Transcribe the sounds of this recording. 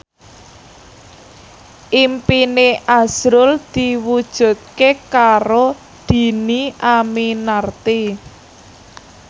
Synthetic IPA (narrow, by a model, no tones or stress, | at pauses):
ʔimpineʔaz̥ɾʊld̪̥iwud̥ʒ̥ṳt̪̚kekaɾo | d̪̥i̤niʔaminart̪i